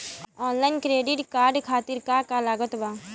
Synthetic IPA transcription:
ɔːnlaːjnkɾeːɖɪʈkaːɾɖkʰaːt̪ɪɾkakalaːɡət̪baː

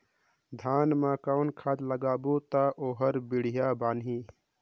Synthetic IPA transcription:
d̪ʱaːnmãkaʊnkʰaːd̪ləɡaːbot̪aʔoːɦəɾbiɽ̤ijabaːnɦi

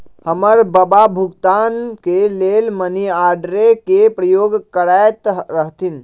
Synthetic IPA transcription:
həməɾbəbabʱuɡt̪ankelelməniaɾɖɾekepɾəjoːɡkəɾajt̪ɾəɦt̪in

